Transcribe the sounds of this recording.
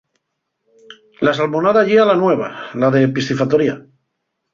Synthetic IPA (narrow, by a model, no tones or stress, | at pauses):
lasalmonaðaʎealanweβ̞a̰laðepist̪ifat̪oɾia